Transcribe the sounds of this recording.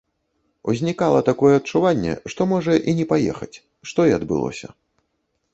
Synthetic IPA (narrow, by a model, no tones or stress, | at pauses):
uzʲnʲikalˠɐt̪akɔjɛɐt̪̚t͡ʂuvanʲːɛ̰ʂt̪ɔmɔʐɐʔinʲɛpajɛ̰xɐt͡sʲ | ʂt̪ɔiɐd̪bɨ̰lˠɔ̰sʲɐ̰